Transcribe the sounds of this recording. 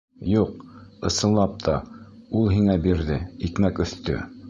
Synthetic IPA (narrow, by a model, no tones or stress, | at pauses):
juq̚ɤ̆sɤ̆nlˠɑp̚t̪ʰɑulˠɦiŋæbiɾðɘikmækɵ̆θt̪ɵ̰